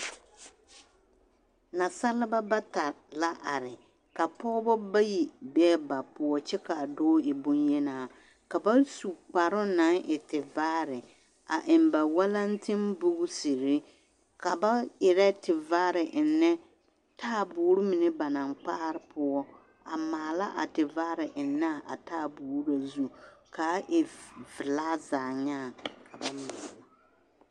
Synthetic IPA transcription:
na˨sa˦lɪ˦ba˦ba˦ta˨ | la˦ʔa˨ɾɪ˨ | ka˨pɔː˦bɔ˦ba˦ji˨bɛː˦ba˨pʊ˨ɔ˦t͡ʃɛ˦ka˨dɔː˦ɪ˨bʊ˦njɛ˦naː˨ | ka˨ba˦su˨k͡pa˨ɾʊ˦na˨˦ŋʔɪ˨tɪ˨vaː˦ɾɪ˨ | a̰˨ʔɪ˨mba˨wa˦la˦n˦tʰɪ˦mbʊ˦ɡʊ˦si˨ɾɪ˦ | ka˨ba˦ɪ˨ɾɛ˦tɪ˨va˦ɾɪ˨ʔɪ˨nːɛ˦ | tʰaː˦˨buː˨˦ɾʊ˦mɪ˨nɪ˦ba˨na˨ŋk͡paː˦ɾɪ˨˦pʰʊ˦ɔ˦ | a˨maː˨la˦ʔa̰˨tɪ˨va˦ɾɪ˨ʔɪ˨nːa˦˨ʔa˨taː˦˨buː˨ɾɾa˨zu˦ka˨˦ʔɪ˨vɪ˨laː˦zaː˨ɲaː˦˨ka˨ba˦mi˨sa˨

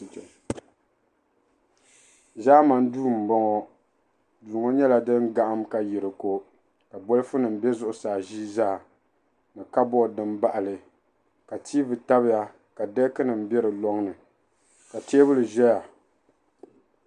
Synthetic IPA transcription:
zaː˦ma˨n˦duː˦m̩˨bɔ˦ŋɔ˦ | duː˨ŋo˦ɲɛ˦la˨dɨ˦ŋɡa˦ʔa˦mka˨ji˨ɾɨ˨ko˦ | ka˨bɔ˦lɨ˦fʊ˦nɨ˨m̩˨bɛ˦zʊ˦ʔʊ˨saː˨ʒiː˦zaː˦˨ | mɨ˨ka˦bɔ˦˨dɨ˦mba˦ʔa˨lɨ˨ | ka˨tʰiː˦vɨ˨ta˦bɪ˦ja˨ | ka˨dɛ˦kɨ˦nɨ˨m̩˨bɛ˦ɾɨ˨lɔ˦ŋnɨ˨ | ka˨teː˦bɨ˦lɨ˨ʒɛ˦ja˨

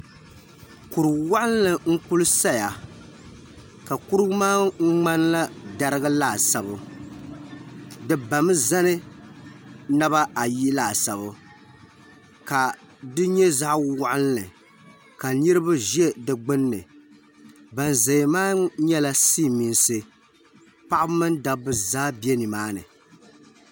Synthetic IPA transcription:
ku˨ɾɨ˨wa˦ʔa˦lnɨ˨ŋ̩˦ku˦lɨ˦sa˦ja˨ | ka˨ku˦ɾɨ˦maː˦ŋ͡m̩˦ŋ͡ma˦n˦la˦da˦ɾɨ˦ɡɨ˦laː˦˨sa˨bʊ˦ | dɨ˨ba˨mɨ˦za˦nɨ˦ | na˦ba˦a˨ji˦laː˨sa˨βʊ˦ | ka˨ | dɨ˦ɲɛ˦za˦ʔwʊ˦ʔʊ˦lnɨ˨ | ka˨nɨ˦ɾɨ˦ba˦ʒɛ˦dɨ˨ɡ͡bɨ˦nːɨ˨ | ba˨nza˨maː˦ɲɛ˦la˦siː˦˨mi˨nsɨ˦ | pa˦ʔa˦bmɨ˦nda˨bɨ˦zaː˦bɛ˦ni˨maː˦nɨ˨

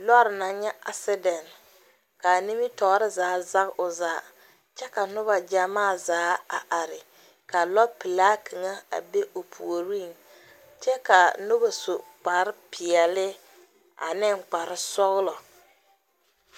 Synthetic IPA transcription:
lɔ˦ɾɪ˨na˨ɲɛ˦ʔa̰˨sɪ˦dɛ˨n | ka˨ni˦mi˦tɔ˨˦ɾɪ˦zaː˨˦za˦ɣʊ˨zaː˨˦ | t͡ʃɛ˦ka˨nʊ˦βa˨d͡ʒa˨maː˦˨zaː˨˦a̰˨ʔa˨ɾɪ˨ | ka˨lɔ˦pi˨laː˦kʰi˨ŋa˦a̰˨be˦ʔo˨pʰu˨o˨ɾi˦˨n | t͡ʃɛ˦ka˨nʊ˦ba˨so˨k͡pa˨ɾɪ˦pɪ˨ɛ˨lɪ˦ | a̰˨nɪ˦˨ŋk͡pa˨ɾɪ˦sɔ˦ɣlɔ˨

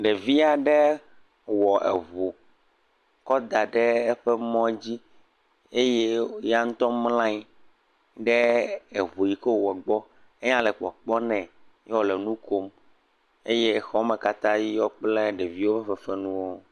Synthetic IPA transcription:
ɖe˨vi˦a˨ɖɛ˦ | wɔ˨ʔḛ˨vo˨ | kɔ˦d̪a˨ɖɛ˦ɛ˦ɸɛ˦mɔ̃˦d͡ʑi˦ | e˦je˦ja˦ŋ̩̃˦t̪ɔ˦mlã˦i˦ | ɖɛ˦e˨vo˨ji˨ke˦˨wɛ˨ɡ͡bɔ˦ | e˦ɲã˦lɛ˨k͡pɔ̰˨k͡pɔ˦nɛ̃˨ | jɛ˦wɔ˨le˨nũ˦ko˦m | e˦je˦xɔ˦mɛ̃˨ka˦t̪ã˦ji˦jɔ˦k͡ple˦ɖe˨vi˦wo˦bɛ˦ɸɛ˨fɛ˦nũ˦wo˦

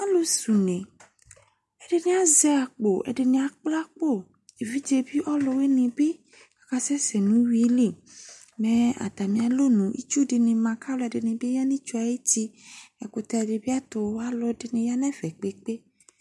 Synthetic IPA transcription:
a˦lo˦su˨nẽ˨ | e˦ɖe˨nĩ˦a˦ze˦a˨k͡po˨ʔḛ˨ɖe˨nĩ˨a˨k͡pla˦k͡po˦˨ | e˨vi˦d͡ʒe˨bi˦ʔɔ˦lɔ˨we˦nẽ˨be˦ | kḁ˨ka˦sɛ˦se˨nũ˦wi˦li˦˨ | mẽ˨a̰˨t̪a˨mĩ˨ã˨lo˦nũ˨ʔḭ˦t͡ʃu˦ɖe˨nẽ˨mã˨ka˦lo˦˨a˨de˨nẽ˨be˦ja˦nĩ˦t͡ʃu˦a˨je˦ti˦ɛ˨ko˨t̪a˨ɖe˨bi˦a˦t̪o˨˦wa˦lɔ˦de˨nẽ˨ja˦nɛ̃˦ve˨k͡pe˨k͡pe˦

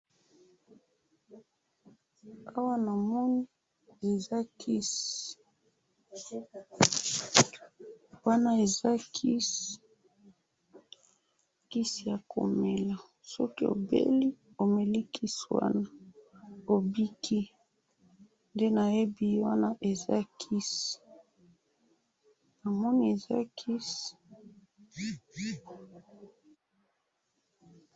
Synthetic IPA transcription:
a˦wa˦na˨mɔ˦ni˦ | e˨za˦kʰi˦s | wa˦na˦e˨za˦kʰi˦s | ki˦si˨ja˨kʰo̰˨me˨la˨ | sɔ̰˦ki˦o̰˨bḛ˦li˦ | o˨me˨li˦kʰi˦swa̰˦na˦ | o˨bi˦kʰi˦ | nde˦na˨e˦bi˨˦wa˦na˦ʔe˨za̰˦kʰi˦s | na˨mɔ˦ni˦e˨za̰˦kʰi˦s

